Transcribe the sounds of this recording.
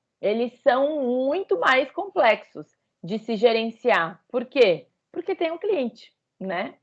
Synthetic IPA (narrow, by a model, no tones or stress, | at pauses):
elɪsɐ̃w̃mũj̃t̪ʊmajskõplɛksʊs | d͡ʒɪsɪʒeɾẽsiapoɾke | poɾket̪ẽj̃ʊ̃kliẽnt͡ʃɪ̥ | nɛ